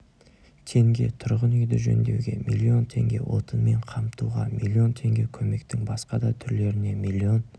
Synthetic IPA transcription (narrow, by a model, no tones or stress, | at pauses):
t̪ʰe̞ŋɡʲe̞̰t̪ʰʊɾʁənʏjd̪ɪʒɵ̰nd̪e̞̰wɡʲe̞̰milʲːio̞nt̪ʰe̞ŋɡʲe̞̰wʔo̞t̪ənme̞ɴqʰɑmt̪uʁɑ̰milʲːio̞nt̪ʰe̞ŋɡʲe̞kʲʰɵme̞k̚t̪ɪŋbɑsqɑd̪ɑt̪ʰʏɾle̞ɾɪne̞milʲːio̞n